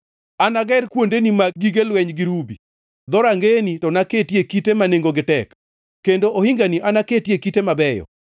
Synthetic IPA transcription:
anaɡɛɾkwondenimaɡiɡelwɛɲɡɪɾubi | d̪ɔɾaŋɡenitɔnaketjekitemaneŋɡoɡɪtɛkː | endoʔohiŋɡaniʔanaketjekitemabɛjɔ̰

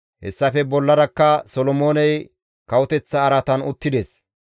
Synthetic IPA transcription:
hɛ̰sːɐfɛbɔlːɐɾɐkːɐsɔlɔmoːnɛj | kɐwʊt̪ɛt͡sːɐːɾɐt̪ɐnʊt̪ːɪd̪ɛs

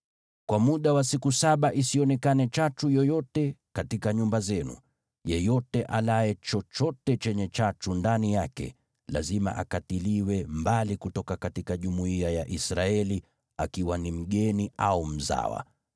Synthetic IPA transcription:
kwamuɗawasikusaɓaʔisiɔnɛkanɛt͡ʃatujɔjɔtɛkatikaɲumbazɛnṵ | jɛjɔtɛʔalajɛt͡ʃɔt͡ʃɔtɛt͡ʃɛɲɛt͡ʃatundanijakɛ̰ | la̰zima̰ʔakatiliwɛmbalikutɔkakatikaʄumuiajaʔisɾaɛli | akiwanim̩ɠɛniʔaum̩za̰wa̰

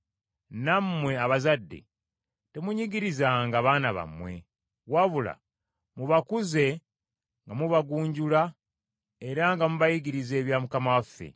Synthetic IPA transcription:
nammːwe̞aβazadːe̞̰ | te̞muɲiɡiɾizaŋɡaβaːnaβa̰mwe̞̰ | waβula̰ | muβakuze̞ | ŋɡamuβaɡuːɲɟula | e̞ɾaŋɡamuβajiɡiɾize̞ːβjaːmukamawafːe̞̰

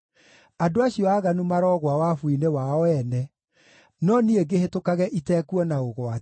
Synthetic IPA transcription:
adoaɕiɔaːɣanumaɾɔɣwawafwinewaɔɛnɛ | nɔnieɡehetokaɣɛʔitɛːkuɔnaoɣwa

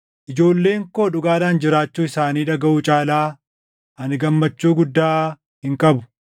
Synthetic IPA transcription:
ʔɪd͡ʒo̞ːlːe̞ːŋkoːᶑʊɡaːdaːnd͡ʒɪɾaːt͡ʃːuːɪsaːniːᶑɐɡɐʔuːt͡ʃʼaːlaː | ʔɐnɪɡɐmːɐt͡ʃːuːɡʊd̪ːaː | hɪŋkʼɐbʊ̥

